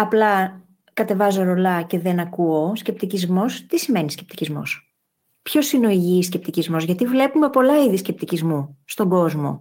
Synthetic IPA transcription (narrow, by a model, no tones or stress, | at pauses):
ɐplɐ | kɐt̪e̞vɐzoɾo̞lɐce̞ðe̞nɐkuosce̞p̚t̪icizmo̞st̪isime̞niscʲe̞pt̪icizmo̞̰s | pço̞sineo̞iʝiscep̚t̪icizmo̞zʝɐt̪ivle̞pume̞po̞lɐiðiscep̚t̪icizmust̪o̞ŋɡo̞zmo̞̰